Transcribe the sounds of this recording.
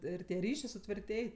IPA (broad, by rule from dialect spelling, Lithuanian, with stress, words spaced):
ˈɪr tʲiɛ ˈrʲiːʃʲeː sʊtʲʋʲɪrʲˈtʲeːj